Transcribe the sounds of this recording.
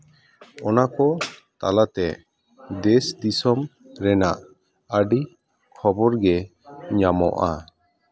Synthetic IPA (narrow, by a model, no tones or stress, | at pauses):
ɔnakɔt̪alat̪ɛ | d̪ɛsd̪isɔm | ɾɛnaʔ | əɖi | kʰɔbɔɾɡɛ | ɲamɔ̰ʔa̰